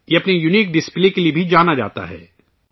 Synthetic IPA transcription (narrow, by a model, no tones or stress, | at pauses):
jeɐpnejuniːk̚ɖɪspleːkeliebʱid͡ʒaːnad͡ʒa̰ːt̪a̰ɦɛ̰ː